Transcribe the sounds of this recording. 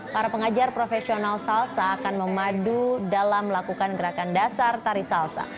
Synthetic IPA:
paɾapəŋad͡ʒarpɾofɛsionalsalsaːkanməmadudalamlakukanɡəɾakandasart̪aɾisalsa̰

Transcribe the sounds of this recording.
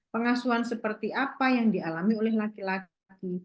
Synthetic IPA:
pəŋasuansəpərt̪iʔapajaŋdialamiolɛhlakila | ki

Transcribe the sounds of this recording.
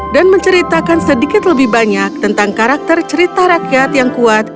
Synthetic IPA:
danməɲt͡ʃəɾit̪akansədikɪt̪ləbɪhbaɲak̚t̪ənt̪aŋkaɾak̚t̪ərt͡ʃəɾit̪aɾakjat̪jaŋkuat̪̚

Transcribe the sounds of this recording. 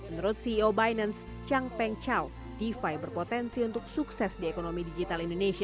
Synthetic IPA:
mənuɾʊt̪̚siobajnəns | t͡ʃaŋpɛŋt͡ʃal | d̥ifajbərpot̪ɛnsiunt̪ʊk̚suksɛsdiekonomidid͡ʒit̪alindoneʃia

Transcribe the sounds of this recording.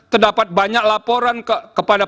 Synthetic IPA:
t̪ərdapat̪̚baɲak̚lapoɾankəkəpada

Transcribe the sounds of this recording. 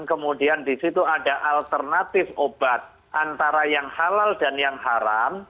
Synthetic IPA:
nkəmudiandisit̪uadaʔalt̪ərnat̪ɪfob̥at̪̚ | ʔant̪aɾajaŋhalald̥anjaŋɦaɾam

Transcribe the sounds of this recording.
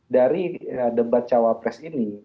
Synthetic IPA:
daɾiədəbat̪̚t͡ʃawapɾɛsini

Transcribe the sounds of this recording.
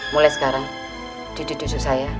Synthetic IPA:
mulajsə̥kaɾaŋ | d̪̥i̤d̥ṳd̪̥ṳsusaja

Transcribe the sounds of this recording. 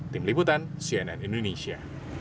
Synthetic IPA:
t̪imliput̪ansiɛnɛnʔindonisia̰

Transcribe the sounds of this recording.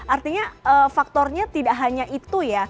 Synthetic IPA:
ʔart̪iɲaəfak̚t̪ɔrɲat̪idaʔɦaɲaʔit̪uja

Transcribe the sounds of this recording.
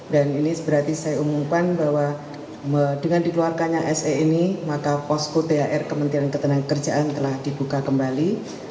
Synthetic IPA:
daninisəbəɾart̪isajaumumkanbaɦwa | mədəŋandikəluarkaɲaʔɛseinimakapɔskot̪eaʔɛrkəmənt̪iankət̪ənaŋkəkərd͡ʒaʔant̪əlahdibukakəmbali

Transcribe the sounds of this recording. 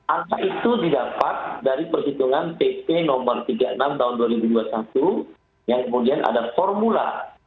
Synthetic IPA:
ʔankaʔit̪udidapat̪̚daɾipərsit̪uŋanpepenɔmərt̪iɡaʔənamt̪aɦunduaɾibuduasat̪u | jaŋkəmudianʔa̰dafɔrmula̰

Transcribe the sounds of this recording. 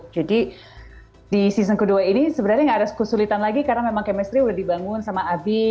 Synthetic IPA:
d͡ʒadi | disis̬əŋkəduainisəbənaɾɲaŋɡadaskəsulit̪anlaɡikarnamemaŋkɛmɛst̪ɾiudahdibaŋʊnsamaːbɪ

